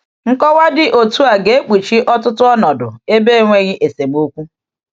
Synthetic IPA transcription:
ŋ̩˦kɔ˦wa˦dɪ˦ʔo˨tu˦a˨ɡe˨˦k͡pi˨t͡ʃi˦ʔɔ˦tʊ˦tʊ˦ɔ˦nɔ˨dʊ̰˨e˦be˦˨ŋʷe˦ɣɪ˦ʔe˨se˨m˦o˦kʷu˦

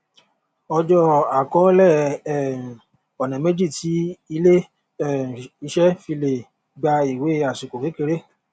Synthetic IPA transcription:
ɔ˧d͡ʒɔ˦a˨kɔ˨˦lɛ˦˨ | ɔ˨nɛ̃˨me˦d͡ʒi˦˨ti˨˦i˧le˦ | ɛ˦˨i˧ʃɛ˦fi˧le˨ | ɡ͡ba˧i˨we˨˦a˨su˨ko˨fe˨˦ke˧ɾe˦

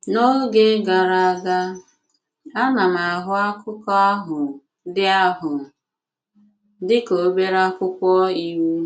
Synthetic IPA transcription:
no˦ɡe˦ɡa˨ɾa˨a˨ɡa˦ | a˦na˨ma˨ɦʊ˦a˦kʊ˦kɔ˦ɦʊ˨ | dɪ˦a˦ɦʊ˨ | dɪ˦ko˨˦be˦ɾa˦kʷʊ˦kʷɔ˦i˦we˦

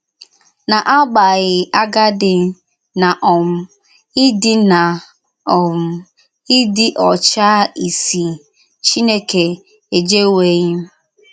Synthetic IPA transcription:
na˨ʔa˦ɡ͡ba˨ɣɪ˨ʔa˦ɡa˦dɪ˨ | na˨ʔɔ˨m̩˦ | ɪ˦dɪ˦na˨ | ɔ˨m̩˦ | ɪ˦dɪ˦ʔɔ˨t͡ʃa˦i˨si˨ | t͡ʃi˦ne˦ke˨ | e˨d͡ʒe˦we˨˦ɣɪ˦m˦

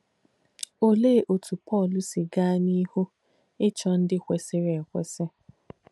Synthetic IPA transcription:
o˨leː˦ʔo˨tʰu˨pɔː˦˨lʊ˨sɪ˨ɡa˦ni˦ho˦ | ɪ˦t͡ʃɔ˨˦n̩˦dɪ˦kʷe˨sɪ˦ɾe˨kʷḛ˨sɪ˦

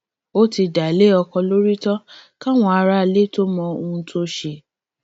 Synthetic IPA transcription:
o˦ti˧da˨le˦ɔ˧kɔ̃˧lo˦ɾi˦tɔ˦ka˦˨w̃ɔ̃˧a˧ɾa˦˨le˦to˦mɔ̃˧o˧tʰo˦ʃe˧˨

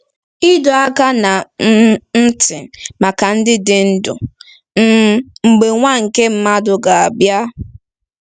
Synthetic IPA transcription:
ɪ˦dɔ˨a˦ka˦na˨˦ | n̩˦tɪ˨ma˨ka˨n̩˦dɪ˦dɪ˨n̩˦dʊ̰˨˦ | ŋ͡m̩˨ɡ͡be˨ŋʷa˦ŋ̩˨ke˦m̩˦ma˦dʊ˨ɡa˨a˨bja˦

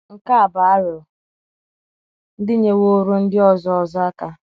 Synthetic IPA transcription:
ŋ̩˦˨ka˦a˨ba˨a˦ɾʊ˨ | n̩˦dɪ˦ɲe˦wo˦ɾu˦n̩˦dɪ˦ɔ˦zɔ˦ɔ˨za˦ka˦

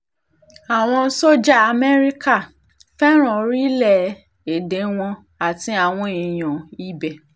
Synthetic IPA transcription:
a˨w̃ɔ̃˧˦so˦d͡ʒa˦˨a˨mɛ˦ɾi˦ka˦˨ | fɛ˦ɾ̃ɔ̃˨ɾi˦lɛ˦˨ | e˨de˨˦w̃ɔ̃˧ | a˨tĩ˧˦a˨w̃ɔ̃˧i˨j̃ɔ̃˨i˦bɛ˨

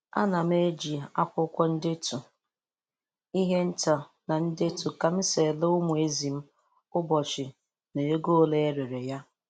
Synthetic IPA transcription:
a̰˦na˨m̩˦e˦d͡ʒi˨a̰˦kʷʊ˦kʷɔ˦n̩˦dɪ˦tu˨ | i˦ɦe˦n̩˦ta˨ | na˨n̩˦de˦tu˨ka˨m̩˦se˨lo˦ʊ˦mʊ˨e˦zi˨m̩˦ | ʊ˦bɔ˨t͡ʃɪ˨ | ne˨e˦ɡo˦le˦e˦ɾe˨ɾe˨ja˦

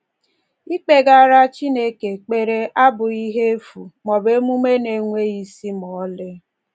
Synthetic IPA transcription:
i˦k͡pe˨ɡa˦ɾa˦t͡ʃi˦ne˦ke˨k͡pe˦ɾe˦ʔa˦bʊ˨i˦ɦe˦fu˨mɔ˨be˦mu˦me˦ne˨ŋʷe˦i˨si˦mɔ˨˦lɪ˦

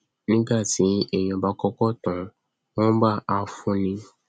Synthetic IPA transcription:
nĩ˦ɡa˦˨ti˨˦ɛ˦˨j̃ɔ̃˨ba˦kɔ˦kɔ˦tã˨ | w̃ɔ̃˦ba˦˨a˧fũ˦nĩ˧

